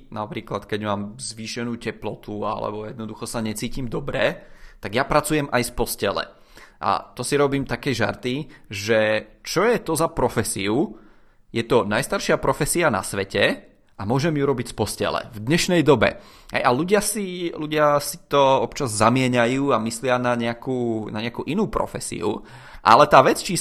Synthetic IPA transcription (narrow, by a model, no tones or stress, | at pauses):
napɾiːklat̪kɛɟmaːmzʋiːʃɛnuːcɛplɔt̪ua̰lɛ̰bɔjɛd̪nɔd̪uxɔsaɲɛt͡siːcimd̪ɔbɾɛt̪aɡjapɾat͡sujɛmʔajfpɔscɛlɛ̰ | ʔa̰t̪ɔsiɾɔbiːmt̪akɛjʒa̰ɾt̪iʒɛt͡ʃɔjɛt̪ɔzapɾɔfɛsiu | jɛt̪ɔnajst̪aɾʃɪapɾɔfɛsiana̰sʋɛcɛ | ʔamʊɔʒɛmjuɾɔbicfpɔscɛ̰lɛ̰vd̪ɲɛʃnɛjd̪ɔbɛ̰ | ɦɛ̰jaluɟɪasiluɟɪasi̥t̪ɔɔpt͡ʃazzamɪɛɲajuːamislɪanaɲɛakuːnaɲɛakuːʔinuːpɾɔ̰fɛsḭṵ | ʔa̰lɛt̪aːʋɛt͡st͡ʃi